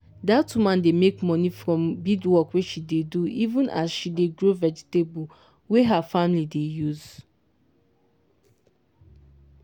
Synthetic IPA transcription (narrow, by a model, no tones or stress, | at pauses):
datumãndemekmɔnifɾɔ̃mbidwɔkweʃideduivũnʔa̰zʃideɡɾovɛd͡ʒi̥tebu | weɦafamlidejuz